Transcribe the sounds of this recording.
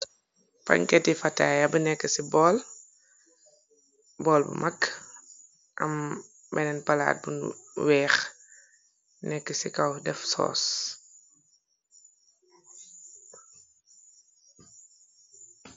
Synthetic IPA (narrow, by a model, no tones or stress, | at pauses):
fɐ̰ɲkɛtːifɐtːaːjabənɛkːəsibɔl | bɔːlbə̰mʔɐkː | ʔɐm | bɛnɛnpɐla̰ːt̚bṵnwɛːx | nɛkːəsikɐwdɛfsɔ̰ːs